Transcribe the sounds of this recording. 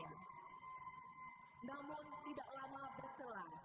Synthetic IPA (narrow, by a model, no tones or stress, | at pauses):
a | namʊnt̪idak̚lamabərsəla